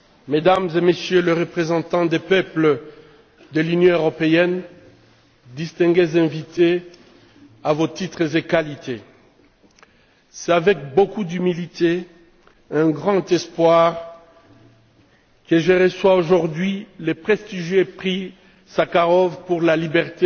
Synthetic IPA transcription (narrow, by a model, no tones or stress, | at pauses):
med̪amzemesjøleʁəpχezɑ̃t̪ɑ̃d̪epœpl | d̪əlynjɔ̃øʁɔpeɛn | d̪ist̪ɛ̃ɡezɛ̃vit̪e | avot̪it̪χəzekalit̪e | sɛt̪avɛk̚bokud̪ymilit̪e | ɛ̃ɡʁɑ̃t̪ɛspwaʁ | kəʒəʁəswaoʒuʁd̪ɥilepχɛst̪iʒjepχi | sakaʁɔvpuʁlalibɛʁt̪e